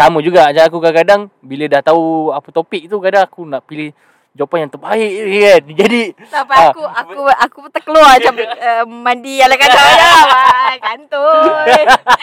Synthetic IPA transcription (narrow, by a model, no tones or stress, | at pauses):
saməd͡ʒuɡaat͡ʃaakukakadaŋbilədaht̪auapət̪opik̚t̪ukadaŋakunaʔpilɪh | d͡ʒopanjaŋt̪əbaiʔadid͡ʒadi | t̪apaakuakuakupət̪əkəluaat͡ʃaməmandialakakaajaaɡant̪u